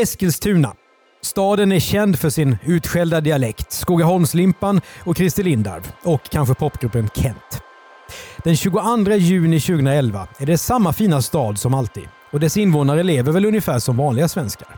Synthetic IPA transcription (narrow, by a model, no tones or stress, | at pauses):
ɛskəlst̪ʰʉ̟ːna̰ | st̪ɑːd̪ənæɾɕɛnd̪fœʂɪnʉ̟ːt̪ɧɛld̪ad̪ɪalɛkt̪skuːɡaɦɔlmslɪmpːanɔkʰːɾɪst̪ɪlɪnd̪a̰ɾvɔkʰːanɧəpʰɔpːɡɾɵpːənkʰɛnt̪ | d̪̥ɛnɕʉːɡʊand̪ɾajʉ̟ːnɪɕʉːɡəʊɵnɾaɛlva̰æɖɛsamːafiːnast̪ɑːd̪sɔmalt̪ʰḭːd̪ | ɔd̪ɛsɪnvoːnaɾəleːvəɾvɛlɵnjəfæːʂɔmvɑːnlɪɡasvɛnska̰ɾ